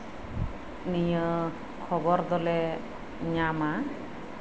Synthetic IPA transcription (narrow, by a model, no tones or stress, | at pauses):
nijə | kʰɔbɔɾd̪ɔlɛ | ɲama